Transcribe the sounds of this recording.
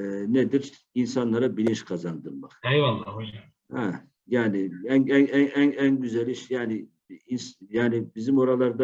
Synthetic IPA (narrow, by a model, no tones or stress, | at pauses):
ned̪iɾ | insanlˠaɾabilʲint͡ʃkʰazand̪ɯɾmaχɛjvalˠːao | hɛ | jaːnɪænænnænænɟyzælʲiʃjaːnɪ | insjaːnibizimo̞ɾalˠaɾd̪a